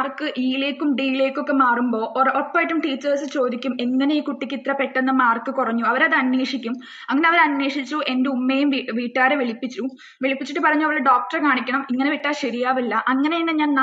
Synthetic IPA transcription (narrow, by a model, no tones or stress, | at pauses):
rkɨʔiːleːkʲːumɖiːjile̞ːkʲːo̞kːe̞maːrumbo̞ːʔopːaːjiʈːumʈiːt͡ɕːɐrsɨt͡ɕo̞ːd̪ikʲːumeŋːɐneiːkuʈːikʲːit̪rɐpːe̞ʈːe̞nːɐmaːrkɨkurɐɲːuɐʋɐɾɐðɨɐnːweːʂikʲːum | ɐŋːɐne̞ɐʋɐɾɐnʋe̞ːʂit͡ɕːuʔe̞ndeumːeːjumʋiʋiːʈːaːɾeʋiɭipːit͡ɕːu | ʋeɭipːit͡ɕːiʈːɨpɐrɐɲːuɐʋɐɭeɖoːk̚ʈɐrkaːɳikʲːɐɳɐmiŋːɐneʋiʈːaːlɕeɾijaːʋilːɐʔɐŋːɐneinːɨɲaːnna